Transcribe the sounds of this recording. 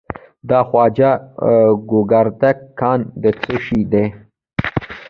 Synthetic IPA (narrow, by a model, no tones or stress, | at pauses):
d̪ɑːxwɑːd͡ʒa | ɡʊɡaɾd̪akkːɑːnd̪ət͡suʃid̪e